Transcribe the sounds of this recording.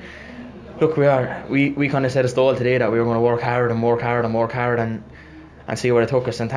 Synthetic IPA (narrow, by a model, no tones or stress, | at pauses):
lʊkʰwiə˞wiwikʰãɪ̃ndəsɛɾəstɔːlˠtʰədeːðəʔ̚wiə˞õnəwɜɹkʰhaʊɾə̃nmɔːɹkʰaʊɾə̃nmɔːɹkʰhaʊɹɾə̃n | ʔə̰̃nsiːwəɹətʰʊkəsə̃nθ